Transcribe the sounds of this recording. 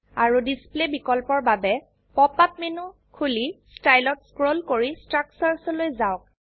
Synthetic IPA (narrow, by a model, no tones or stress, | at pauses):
aɹudisplebikɔlpɔɹbabɛ | pɔpat̚menu | kʰulistajlɔtskɹolkoɹistɹaksaɹsɔlojzaɔk̚